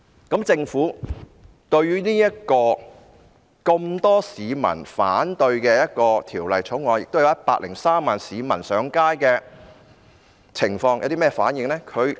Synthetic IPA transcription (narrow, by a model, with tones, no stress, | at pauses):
kɐ˨˥mt͡sɪ˧ŋfuː˨˥ | t̪ɵ˧ɥɥyː˥niː˥jɐ˥t̚kɔː˧ | kɐ˧mt̪ɔː˥siː˨˧mɐ̰˨˩nfaː˨˥nt̪ɵ˧ɥkɛː˧jɐ˥t̚kɔː˧t̪ʰiː˨˩wlɐ˨˩jt͡sʰʊ˨˥wŋɔː˨˧njɪ˨k̚t̪wjjɐ˥t̚paː˧k̚lɪ˨˩ŋsaː˥mːaː˨nsiː˨˧mɐ˨˩nsœː˨˧ŋkaː˥jkɛː˧ | t͡sʰɪ˨˩ŋfɔː˧ŋja̰˧wt̪iː˥mɛː˥fa̰ː˨˥njɪ˨ŋlɛː˥kʰɵ˨˧ɥ